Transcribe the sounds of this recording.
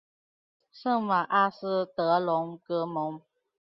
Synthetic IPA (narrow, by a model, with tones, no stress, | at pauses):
ʂɤ˥˩ŋwa˨˩ʔa˥˩sɹ̩˥t̪ɤ˧˥lʊ˧˦ŋkɤ˧˥mʊ˨˦ŋ